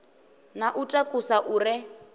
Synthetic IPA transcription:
naʔutʼakʼusaʔuːrɪ

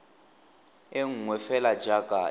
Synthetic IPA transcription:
eŋ̩ŋwɛfɛlad͡ʒakʼa

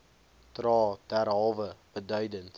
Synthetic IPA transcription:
trɑːd̥ærɦɑːvəb̥ədœɥdənt

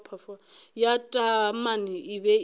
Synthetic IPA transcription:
pʰafɔjatʼamaniiβɛ

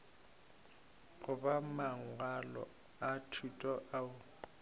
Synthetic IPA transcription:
ɣʊbamaŋ̩alɔ̰ | atʰutʼɔʔaʊ

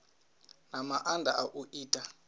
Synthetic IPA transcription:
namaʔandʱa̰ʔaʔuʔiːtʼa

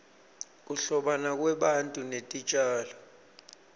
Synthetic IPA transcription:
k̬uɬɔɓanak̬wɛɓantʼunetʼit͡ʃʼaːlɔ

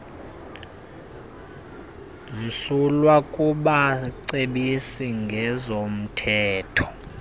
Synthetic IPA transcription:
m̩sulwakʼuɓaǀeɓisiŋɡʱɛzom̩tʰɛːtʰɔ̥

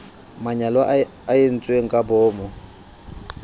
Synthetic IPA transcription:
maɲalwa | ajen̩t͡sʼweŋ̩kʼabɔːmɔ

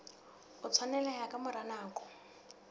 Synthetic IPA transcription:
ʊt͡sʰwanɛlajakʼamʊɾanaːkɔ̥

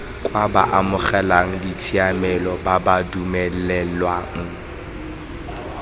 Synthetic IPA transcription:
kʼwaba̰ʔamʊχɛlaŋ̩dit͡sʰiamɛlɔbabadumɛlɛlwaːŋ̩

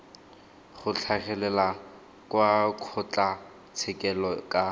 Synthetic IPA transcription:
χʊt͡ɬʰaχɛlɛla | kwakʰʊt͡ɬʼa | t͡sʰɪkʼɛlɔkʼa

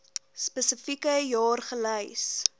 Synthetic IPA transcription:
spəsəfikəjɑːrχələjs

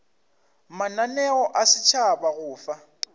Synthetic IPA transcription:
mananɛɔʔasɪt͡ʃʰabaɣʊːfa

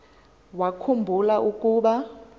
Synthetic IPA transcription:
wakʰumbʱulaʔukʼuɓa

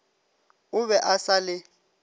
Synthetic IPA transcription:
ʊβɛʔasalɪ

